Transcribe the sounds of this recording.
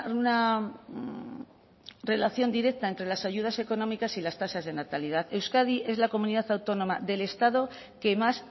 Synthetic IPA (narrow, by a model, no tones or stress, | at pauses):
una | re̞laθjo̞nd̪iɾe̞k̚t̪aent̪ɾe̞lasaʝuð̞ase̞ko̞nõ̞mikasilast̪asazðe̞nat̪alið̞aθe̞wskað̞iʔe̞zlako̞mũniðaθawt̪o̞no̞maðe̞le̞st̪að̞o̞ | ke̞mas